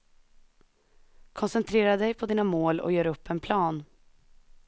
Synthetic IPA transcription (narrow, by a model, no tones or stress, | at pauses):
kʰɔnsɛnt̪ʰɾeːɾad̪ɛjpʰɔd̪iːnamoːlɔ̰jøːɾɵpʰːɛnpʰlɑːn